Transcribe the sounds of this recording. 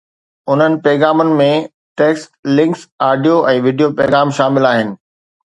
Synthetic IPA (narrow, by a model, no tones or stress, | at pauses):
ʊn̤ənɪ̆pɛːɣaːmənɪ̆mẽ | ʈeːksʈlɪ̃ŋksaːɖijoʔɛ̃ːʋiːɖijopɛːɣaːmʃaːmɪlaːɦɪnɪ̆